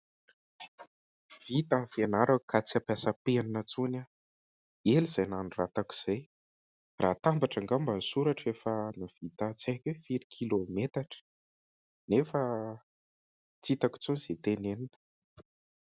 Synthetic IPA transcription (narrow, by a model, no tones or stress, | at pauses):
v̥it̪amfenaɾakʰat͡siapjasəpenanət͡suna | eliz̥ajnanurat̪aki̥z̥aj | rʔat̪ambaʈ͡ʂaŋɡambasuɾaʈ͡ʂefənav̥it̪at͡sekʲefiɾikʰilomet̪aʈ͡ʂə̥ | nefə | t͡sit̪aki̥t͡suniz̥et̪eneninə̥